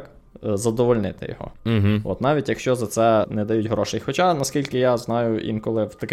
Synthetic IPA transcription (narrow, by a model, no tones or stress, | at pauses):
k | zɐd̪ɔʋɔlʲnɪt̪ɪ̰jɔ̰ɦɔ̰ɦ̩ɔ̰t̪nɑʋʲitʲjɐkʃt͡ʃɔzɐt̪sɛnɛd̪ɐjutʲɦɾɔʃejxɔt͡ʃanɐskʲilʲkɪjaznɑjʊʔḭnkɔlˠɪwt̪ɐk